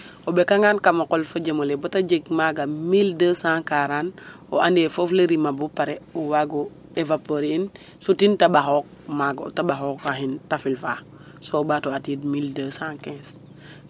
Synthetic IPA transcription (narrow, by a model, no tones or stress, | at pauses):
obekaŋaːnkamakolfod͡ʒemolebotad͡ʒeɡmaɡamildəsãkaɾan | o̰ʔandefofleɾimabupaɾeuwaɡo | evapoɾiin | sutintabaɦok̚maɡtabaɦokaɦintafilfa | sobatoatit̚mildəsãŋkẽns